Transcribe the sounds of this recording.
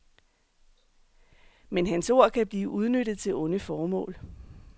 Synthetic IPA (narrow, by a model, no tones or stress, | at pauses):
menɦænso̝ɐ̰kʰæb̥liːʔuð̞ˠnød̥ð̞̩ˠt͡sʰe̝lɔ̽nəfɒːmɔ̰̽ːl